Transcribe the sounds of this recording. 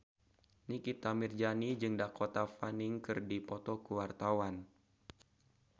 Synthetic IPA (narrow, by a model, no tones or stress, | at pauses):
nikit̪amird͡ʒanid͡ʒɨŋdakot̪afaniŋkɨrdipɔt̪ɔkuwart̪awan